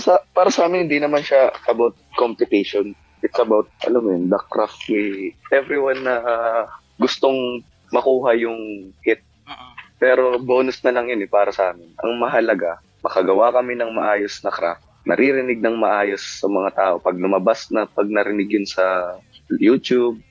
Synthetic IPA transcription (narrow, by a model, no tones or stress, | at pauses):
sɐpaːɾɐsɐʔaːmɪnhɪnd̪inɐmanʃaʔɐbawt̪̚kompɪt̪ɛʃon | ʔɪt̪sɐbawt̪̚ʔɐ̰lamjond̪ɐk̚ɾaft̪wɪʔɛvɾɪwanːɐ | ɡʊst̪oŋ | mɐkuːɦɐjʊŋhɪt̪̚ | pɛːɾo̞bo̞ːnʊsnɐlɐŋjonɛpaːɾɐsɐʔaːmɪnʔɐ̰ŋmɐɦɐlɐɡa | mɐkɐɡɐwakɐminɐŋmɐʔaːjosnɐkɾa̰ft̪̚nɐ̰ɾiɾɪnɪɡ̚nɐŋmɐʔaːjosːɐmɐŋat̪aːʔo̞pɐɡ̚lʊmɐbasnɐpɐɡ̚nɐɾɪnɪɡjonsɐ | juːt̪jub̚